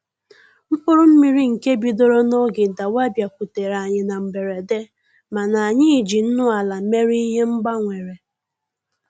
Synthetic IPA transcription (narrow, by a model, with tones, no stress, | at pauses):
m̩˦k͡pʊ˦ɾʊ˦m̩˦mi˦ɾi˦ŋ̩˨ke˦bi˨do˦ɾo˦no˦ɡɪ˨da˨wa˦bja˨kʷu˨te˨ɾa˨ɲɪ˨na˨m̩˨be˨ɾe˨de˦ | ma˨na˨a˨ɲɪ˦i˨d͡ʒi˨n̩˦nʊ˦a˨la˨˦me˦ɾi˦i˦ɦe˦ŋ͡m̩˦ɡ͡ba˦ŋʷe˨ɾe˨